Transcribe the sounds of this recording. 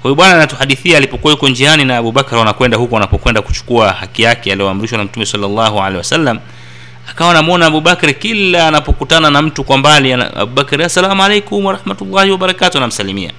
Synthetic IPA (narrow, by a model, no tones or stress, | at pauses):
hɛjɔɓwananatuhaɗiθiaːlipɔkuwajukɔnd͡ʒianinaːɓuɓakɾwanakwɛndahukɔanapɔkwɛndaku̥t͡ʃu̥kuahakijakɛaliɔam̩ɾiʃwanam̩tumɛsalːalːahua̰lɛjiwasalːam | akawanamɔnaːɓuɓakɾkilːaːnapɔkutananam̩tukwambalia̰a̰ɓuɓakɾasalamualejkumwaɾahmatulˠːahiwaɓaɾakatunam̩salimia̰